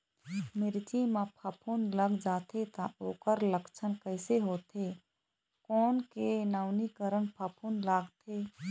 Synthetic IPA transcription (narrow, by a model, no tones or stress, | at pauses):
mɪɾt͡ʃimapʰəpʰunləɡd͡ʒaːt̪ʰet̪ãʔoːkəɾləkt͡ʃʰənkəɪseɦoːt̪ʰe | kɔːnkenaːʊnikəɾənpʰəpʰunlaːɡt̪ʰe